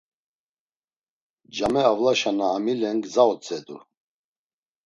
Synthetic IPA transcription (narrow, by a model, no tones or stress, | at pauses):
d͡ʒamɛavlaʃanaːmilɛŋɡzaɔt͡sʼɛd̪ṵɾ